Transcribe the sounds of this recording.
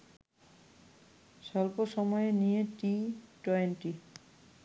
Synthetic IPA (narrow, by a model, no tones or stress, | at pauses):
sɔlpɔsɔmɔjenijetitɔnti